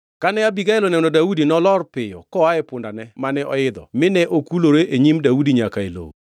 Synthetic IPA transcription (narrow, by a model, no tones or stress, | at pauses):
kanɛabiɡaɛlonɛnodaudinɔlɔrpɪjɔ̰kɔaɛpʊndanɛmanɛʔɔ̰ɪd̪ɔ̰mɪnɛʔokuloɾeʔeɲimdaudiɲakaḛlo̰w